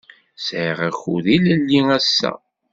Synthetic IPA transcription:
sʕʁæxuðiləlːiæsːæ̰

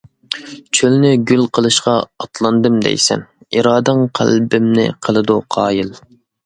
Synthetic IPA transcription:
t͡ʃʰølnɪɡʲylqʰəlˠɨʃqɑːt̪ʰlˠɑnd̪ɨmd̪ɛ̰jsɛ̰n | iɾɑːd̪ɨŋqʰæ̰lbɪmnɪ̰qʰəlˠɨd̪uqʰɑːjɨlˠ

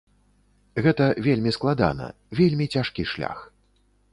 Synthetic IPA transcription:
ɣɛt̪ɐvʲelʲmʲisklˠad̪a̰nɐ̰ | vʲelʲmʲit͡sʲaʂkʲiʂlʲa̰x

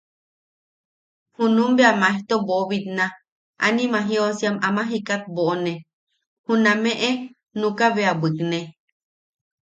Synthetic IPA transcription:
hũnũmbeamaeht̪oboβit̪nã | a̰nĩmãɦiosiamamãɦikat̪̚boʔonẽ | hũnãmẽʔe | nũkaβeabɨkne

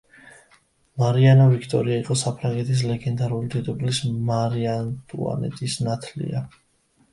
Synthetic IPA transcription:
maɾianavikʰt̪ʼɔ̰ɾiaiqʼɔsapʰɾaŋɡɛt̪ʰis̬lɛɡɛnd̪aɾulid̪ʰɛt̪ʼupʼlismaɾiant̪ʼua̰nɛ̰t̪ʼisnat̪ʰlḭa

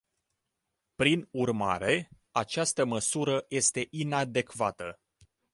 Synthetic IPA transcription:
pɾinurma̰ɾe̞ | at͡ʃast̪əməsuɾəje̞st̪e̞ʔinad̪e̞kvat̪ə

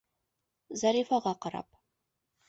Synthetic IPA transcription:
zɑɾifɑʁɑqɑɾɑ̰p

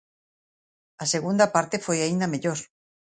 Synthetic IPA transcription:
aseɣund̪apaɾt̪efojaind̪ameʎoɾ

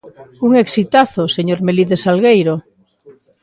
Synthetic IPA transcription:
uŋeksit̪aθoseɲoɾmeliðesalɣejɾo

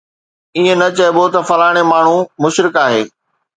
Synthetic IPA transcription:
iɦẽnɐt͡ɕɐɪbot̪ɐfɐlaːɪɽ̃emaːɳ̤ũmʊʃɾɪkaːɦeː

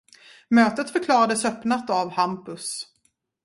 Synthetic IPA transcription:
møːt̪ət̪fœɾkʰlɑːɾad̪əsœpnat̪avhampɵs

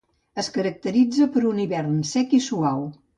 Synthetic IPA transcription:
əskəɾək̚t̪əɾid͡zəpəɾuniβɛrnsɛkisuaw

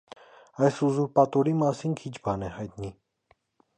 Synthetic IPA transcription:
ɑjsuzuɾpɑt̪ɔɾimɑsinkʰit͡ʃʰbɑnɛhɑjt̪ni

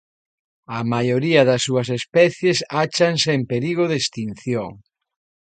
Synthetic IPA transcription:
ɐmajoɾiɐðɐsːuɐs̬espɛθjesat͡ʃaŋseempeɾiɣoðest̪in̟θjoŋ

